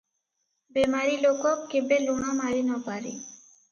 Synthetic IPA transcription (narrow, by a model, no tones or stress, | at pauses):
bemaɾilokɔkkːebelunamaɾinɔpaɾḛ